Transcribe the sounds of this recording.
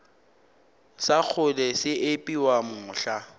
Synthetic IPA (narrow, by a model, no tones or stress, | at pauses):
sak͡xʰʊlɛsɪʔɪpʼiwamʊːɬa